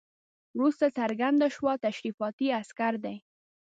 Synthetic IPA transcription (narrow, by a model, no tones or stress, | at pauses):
wɾust̪asaɾɡand̪aʃwɑt̪aʃɾifɑt̪iaskaɾd̪ej